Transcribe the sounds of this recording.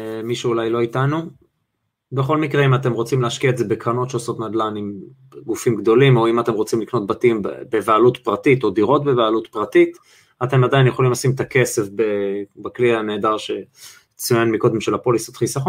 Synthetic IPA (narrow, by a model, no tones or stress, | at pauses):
miʃuːlajlo̞itanu | beχo̞lmikʁeimat̬e̞mʁo̞t͡simleaʃkiaetzebe̞kʁano̞t̪ʃeaso̞t̪nad̪lanim | ɡufimɡd̪o̞limo̞imat̪e̞mʁo̞t͡simlikno̞t̪̚batimbbe̞vealut̪pʁatit̪o̞d̪iʁo̞t̚be̞vealut̪pʁatit̪ | ate̞madajinjeχolimlasimet̪ake̞se̞fbebaklianeːdaʁʃe̞ | t͡sujanmiko̞d̪e̞mʃelhapo̞lisot̪χisaχon